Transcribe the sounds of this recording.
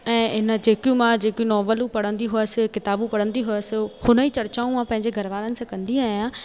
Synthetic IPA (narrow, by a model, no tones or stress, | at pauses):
ɛ̃ːɪnə̆d͡ʑeːkijũmãd͡ʑeːkjũnɔːʋəlũpɐɽ̤ə̃nd̪iɦʊəsɪ̆kɪt̪aːbũpɐɽə̃nd̪iɦʊəsɪhʊnəiːt͡ɕɐɾt͡ɕaːũmãpɐ̃ɦɪ̃ɲd͡ʑeɡʱɐɾəʋaːlənɪ̆sãkɐ̃nd̪iaːɦjãː